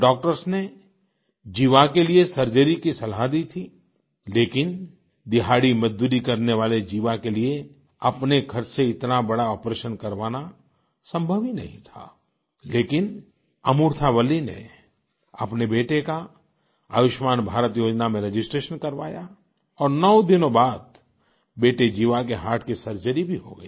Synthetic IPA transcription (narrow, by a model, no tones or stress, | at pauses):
ɖɔːk̚ʈəɾsne | d͡ʒiːʋakeliesɐɾd͡ʒəɾikisɐlɦad̪iːt̪ʰi | leːkɪn | d̪ɪɦaːɽimɐd͡ʒd̪uːɾikɐɾneʋaːled͡ʒiːʋakelie | ɐpnekʰɐɾseɪt̪nabɐɽaɔːpɾeːʃənkɐɾʋaːna | sɐ̃mbʱəʋinɐ̰ɦĩt̪ʰa̰ː | leːkɪn | ɐmuːɾt̪ʰaʋɐlːinḛ | ɐ̰pnebeːʈeka | a̰ːʋɪʃmaːnbʱaːɾət̪joːd͡ʒnamẽɾed͡ʒɪsʈɾeːʃənkɐɾʋa̰ːja | ɔːɾnɔːd̪ɪnõbaːd̪̚ | beːʈed͡ʒiːʋakeɦaːʈʰkisɐɾt͡ʃəɾibʱiɦoɡɐ̰i